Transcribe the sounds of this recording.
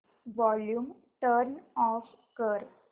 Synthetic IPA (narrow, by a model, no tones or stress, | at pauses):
ʋɔljuːm | ʈəɾnɔːf | kəɾ